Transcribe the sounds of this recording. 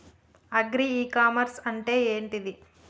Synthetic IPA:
ɐɡɾiiːkaːmɐɾsɐɳʈe̞ːeːɳʈid̪i

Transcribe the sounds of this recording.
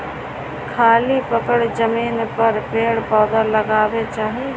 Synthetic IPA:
kʰaːlipəkəɽd͡ʒəmiːnpəɾpeːɽpɔːd̪aləɡaːwet͡ʃaːɦe

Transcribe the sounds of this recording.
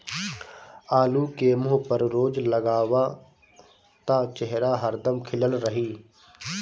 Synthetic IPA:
aːluːkeːmoːpəɾɾoːd͡ʒləɡaːʋaː | t̪aːt͡ʃɛɦɾaːɦəɾd̪əmkʰɪləlɾəɦiː

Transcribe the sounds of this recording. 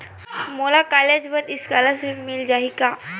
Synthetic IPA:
molakaled͡ʑbət̪iskalasemild͡ʑaɦika

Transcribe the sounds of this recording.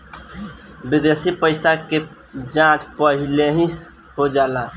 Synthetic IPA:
bid̪esipəɪsake | d͡ʒãt͡ʃpəɦileɦĩ | ɦod͡ʒalã

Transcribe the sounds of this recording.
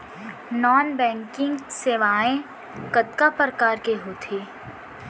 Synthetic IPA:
nɔːnbɛ̃ːŋkɪ̃ŋɡseːʋaːẽ | kət̪kapɾəkaːɾkeɦoːt̪ʰiː

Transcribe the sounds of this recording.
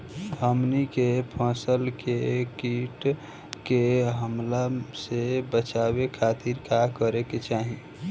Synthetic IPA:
əmnikepʰə̃ːsəlkekiʈ | keɦəmlasebət͡ʃabekʰaːt̪iɾkakəɾeket͡ʃaːɦi

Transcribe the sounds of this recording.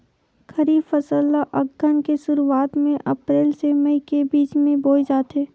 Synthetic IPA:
kʰəɾiːbfəsəlːaʔəɡːənkesʊɾuaːt̪mẽʔɐpɾeːlseməikebiːt͡ʃmẽboːid͡ʒaːt̪eː

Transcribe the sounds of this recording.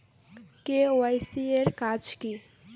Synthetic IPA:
keoajsieɾkad͡ʒki

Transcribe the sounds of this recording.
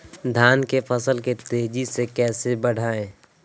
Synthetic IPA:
d̪ʱaːnkefəsəlket̪eːd͡ʒisekɛːsebəɽ̤aːẽː

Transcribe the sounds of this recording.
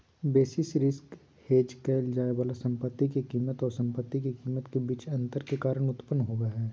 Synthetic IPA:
beːsɪsɾɪsk | heːd͡ʒkɛːld͡ʒaːeʋaːlasɐ̃mpət̪ːikikiːmət̪ɔːɾsɐ̃mpət̪ːikikiːmət̪kebiːt͡ʃɐ̃nt̪əɾkekaːɾəɽ̃ʊt̪pənɦoːɡaɦɛː

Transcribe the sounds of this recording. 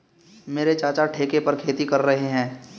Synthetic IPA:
meːɾet͡ʃaːt͡ʃaʈʰeːkepɐɾkʰeːt̪ikɐɾːɐɦeɦɛ̃ː

